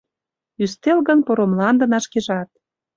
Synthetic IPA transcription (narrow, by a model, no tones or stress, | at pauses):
yst̪elɣə̆npoɾomlɑnd̪ə̆nɑʃkeʒɑt̪̚